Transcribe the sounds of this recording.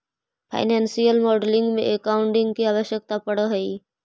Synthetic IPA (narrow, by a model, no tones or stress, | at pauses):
pʰa̰ːɪnɛ̃ːnsijəlmɔːɖlɪ̃ŋɡmḛ̃ʔekaːʊ̃ɳʈɪ̃ŋɡkiaːʋəʃjək̚t̪apɐɽəɦɛi